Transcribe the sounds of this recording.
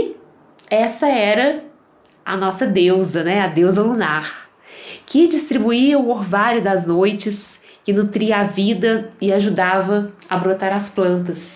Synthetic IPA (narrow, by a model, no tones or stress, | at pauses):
ɛsɐɛɾɐ | ɐ̰nɔsɐd̪ewzɐnɛɐd̪ewzɐlunaɾ | kɪd͡ʒist̪ɾibuiɐʊoɾvaɾʊd̪ɐznojt͡ʃɪs | kɪnut̪ɾiɐavid̪ɐɪaʒud̪avɐ | ɐbɾot̪aɾɐsplɐ̃nt̪ɐs